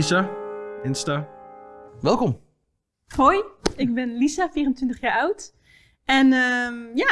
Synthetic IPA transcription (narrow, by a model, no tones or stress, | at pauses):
isaɪnsta | ʋɛlˠkɔm | hɔjɪk̚bɛnlisafiːrəntʋɪntəχjaːɹawt | ɛnəmja